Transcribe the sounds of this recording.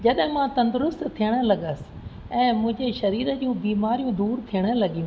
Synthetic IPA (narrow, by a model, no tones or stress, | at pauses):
d͡ʑɐɗɦɪ̃mãt̪ɐ̃nd̪ʊɾʊst̪t̪ʰijəɽ̃ə̆lɐɠəsɪ̥̆ | ɛ̃ːmʊ̃ɦɪ̃ɲd͡ʑeʃɐɾiːɾəd͡ʑũbiːmaːɾijũd̪uːɾt̪ʰijəɽ̃ə̆lɐɠijũ